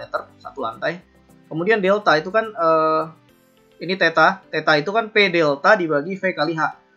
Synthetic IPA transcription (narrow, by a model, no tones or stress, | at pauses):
ɛt̪ərsa̰t̪ula̰nt̪aj | kəmudiandelt̪ait̪ukanəː | init̪et̪at̪et̪ait̪ukanpedelt̪adibaɡifekaliɦaʔ